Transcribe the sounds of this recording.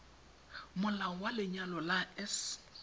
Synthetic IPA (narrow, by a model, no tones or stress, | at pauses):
mʊlaɔwalɪɲalɔlaɛs